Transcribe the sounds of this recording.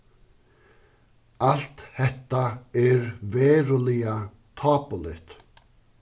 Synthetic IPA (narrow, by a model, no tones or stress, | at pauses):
al̥t̪hɛht̪ːaɛɾvɛːɾʊlɪja | t̪ʰɑːpʊlɪht̪